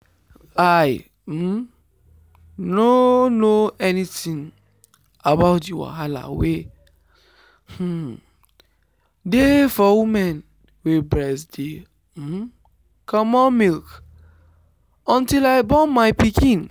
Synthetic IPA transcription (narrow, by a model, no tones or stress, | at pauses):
aj̩ | nonoɛnitĩn | abaʊt̬juwa̰ɦala̰we | h̩ | defɔwumɛn | webɹɛsde | m̩ | kʰɔmɔmilk | ɔ̃ntilaɪbɔ̃nmaɪpikʰĩn